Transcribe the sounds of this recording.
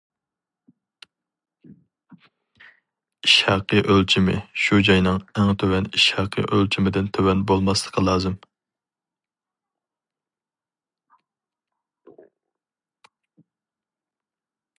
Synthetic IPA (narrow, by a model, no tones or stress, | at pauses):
iʃhæqəʔølt͡ʃʰimɪ̰ʃud͡ʒɑjnɨŋæŋt̪ʰøwɛniʃhæqʰə̰ʔølt͡ʃʰimɪd̪ɪnt̪ʰøwɛnbolˠmɑslˠə̥qʰəlˠɑːzɨm